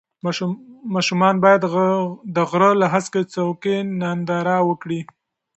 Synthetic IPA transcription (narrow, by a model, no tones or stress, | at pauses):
mɑʃumɑnbɑjad̪d̪əɣɾəlaɦasket͡sawkenand̪ɑɾɑwəkɽi